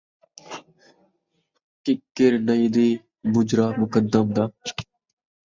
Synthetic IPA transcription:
kɪkːɪɾnəiːd̪iː | bʊd͡ʒɾaːmʊkəd̪ːəmd̪aː

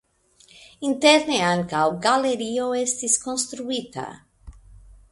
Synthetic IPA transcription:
int̪eɾneaŋkawɡaleɾioest̪iskonst̪ɾuit̪a̰

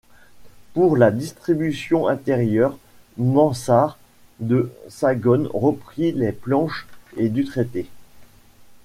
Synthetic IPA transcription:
puʁlad̪ist̪χibysjɔ̃ʔɛ̃t̪ɛʁjœʁ | mɑ̃saʁ | d̪əsaɡɔnʁəpχilɛplɑ̃ʃed̪yt̪χet̪e

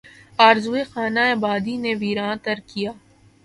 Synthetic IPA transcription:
aːɾzuexaːnaeːbaːd̪ineʋiːɾãːt̪ɐɾkijaː

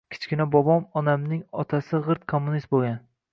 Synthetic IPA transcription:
kʲʰɪ̥t͡ʃkʲɪnabɒbɒmɒnamnɪŋɒt̪ʰasɪʁɨɾt̪̚kʰomːʊnist̪̚boɡʲan

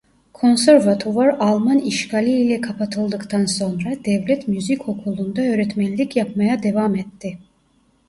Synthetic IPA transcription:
kʰɔnsɛɾvat̪ʰuvaɾalˠmaniʃkaliilɛkʰapʰat̪ʰɨlˠd̪ɯkʼt̪ʰansɔnɾad̪̥ɛvlɛt̪ʰmjuzikʰɔkʰulˠund̪aøɾɛt̪ʰmɛnlikʰjapʰmajad̪ɛvamɛt̪ːi

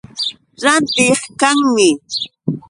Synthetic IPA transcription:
ɾant̪ɪχkaŋmɪ

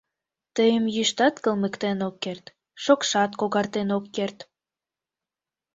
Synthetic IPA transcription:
t̪əjəmjyʃt̪ɑt̪kəlməkt̪enokːert̪ | ʃokʃɑt̪koɣɑrt̪enokːert̪

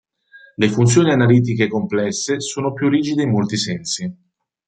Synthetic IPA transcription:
lefunt̪sjoːnianaliːt̪̬ikekomplɛsːesoːnopjurːiːd͡ʒid̪eimːolt̪isɛnsi

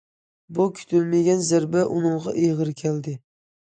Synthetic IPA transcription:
bukʲʰy̥t̪ʰylmeɡʲɛnzæɾbɛʔunɨŋʁɑ̰ʔejʁɨɾkʲʰæld̪ɪ

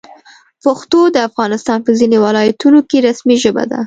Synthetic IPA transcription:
pəxt̪od̪əafɣɑnɪst̪ɑnpəzinewɑlɑjat̪unokeɾasmiʒəba̰d̪a̰

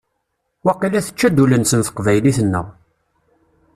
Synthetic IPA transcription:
wɑqːilæθə̥t͡ʃːæd̪ulənsənθə̥qvæjliθənːə̰ʁ

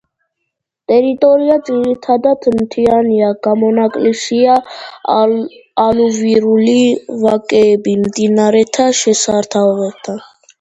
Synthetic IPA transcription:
t̪ʼɛɾit̪ʼɔɾiad̪zʼiɾit̪ʰad̪at̪ʰmt̪ʰianiaɡ̥amɔnakʼlisia | luviɾulivakʼɛːbimd̪inaɾɛt̪ʰaʃɛsaɾt̪ʰavɛt̪ʰa

